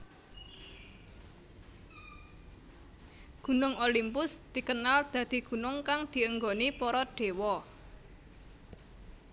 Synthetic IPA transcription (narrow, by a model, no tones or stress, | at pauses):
ɡ̥ṳnʊŋolimpʊsd̪̥i̤kənald̪̥ä̤d̪̥i̤ɡ̥ṳnʊŋkaŋd̪̥i̤əŋɡonipɔɾɔɖ̥e̤wɔ